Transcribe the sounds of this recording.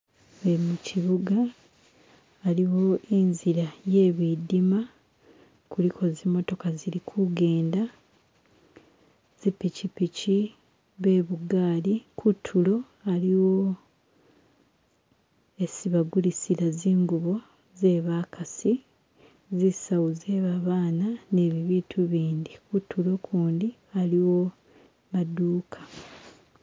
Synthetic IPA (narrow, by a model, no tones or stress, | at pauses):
βemuciβuɡa | liwo̞inziɾaje̞ːβidima | kulikʰo̞zimːo̞to̞kaziɾikʰuɡe̞ːnda | z̥ipicipici | βe̞ːβuɡaːlikʰutʰulo̞ | aliwo̞ | e̞siβaɡulisiɾaziːŋɡuβo̞ | ze̞ːβaːkʰasi | zisawuzeːβaβaːnane̞ːβiβiːtʰuβiːnd̪ikutʰːulo̞kʰuːndi | aliwo̞ | maduːkʰḁ